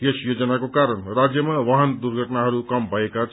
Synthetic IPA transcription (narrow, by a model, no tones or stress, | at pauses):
kesjod͡zʌnakokaɾʌnrad͡zjʌmawʌɦʌnd̪urɡʱʌʈnaɦʌɾukʌmbʱʌekat͡sʰ